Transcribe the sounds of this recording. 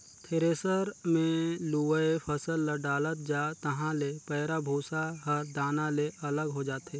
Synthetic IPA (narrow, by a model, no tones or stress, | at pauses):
t̪ʰeɾeːsəɾmẽluəepʰəsəlːəɖaːlət̪̚d͡ʒaːt̪ɐɦãlepɛːɾabʱuːsaɦəɾd̪aːnaleʔɐləɡɦod͡ʒaːt̪e